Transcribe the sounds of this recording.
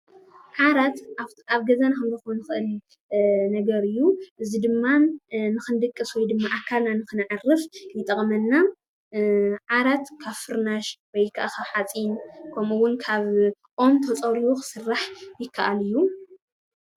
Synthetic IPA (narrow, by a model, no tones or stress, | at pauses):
ʕaɾat̪ | aβɡɐzanakɨnzɨxonɨxɨʔɨl | nɐɡɐɾɨjːuʔɨzid̪ɨmːanɨxɨnd̪ɨkʼːɨswɔjd̪ɨmːaʔakʰːalnanɨxɨnʕarɨfjɛt̪ʼɐχʼmɐnːa | ʕaɾat̪kʰaβfɨɾnaʃwɔjkʰa̰ʔaxaħat͡sʼinkʰɐmuwʊnkʰaβʔʼomt̪ʰɐt͡sʼɐɾiwuxɨ̥sɨrːaħjɪkʰːaʔalɨjːu